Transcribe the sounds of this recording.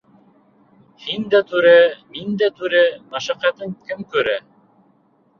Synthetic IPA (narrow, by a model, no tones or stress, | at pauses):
hind̪æt̪ʉɾæmind̪æt̪ʉɾɘmæʃæqæt̪ɤŋkɘmkʉ̆ɾæ